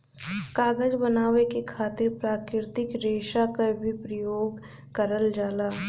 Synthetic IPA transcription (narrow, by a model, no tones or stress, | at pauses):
kaːɡəd͡ʒbənaːʋekekʰaːt̪ɪɾpɾaːkɾɪɾɪt̪ɪkɾeːʃakabʱipɾəjoːɡ | kəɾəld͡ʒaːlaː